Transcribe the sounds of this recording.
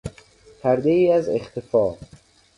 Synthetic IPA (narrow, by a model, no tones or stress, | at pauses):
pʰæɾd̪eiːæzḛxt̪ʰefɒː